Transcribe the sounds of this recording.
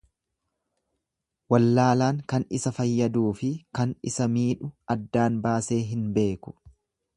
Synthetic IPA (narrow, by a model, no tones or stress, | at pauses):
wɐlːaːlaːŋkɐnɪsɐfɐjːɐd̪uːfɪkɐnɪsɐmiːᶑʊɐd̪ːaːnbaːse̞ːɦɪnbe̞ːkʊ̥